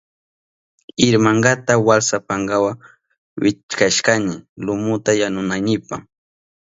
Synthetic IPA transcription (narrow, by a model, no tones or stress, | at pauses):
ɪɾmaŋɡat̪awalsapaŋɡawa | wɪt͡ʃkaʃkanɪlʊmʊt̪ajanʊnajnɪpa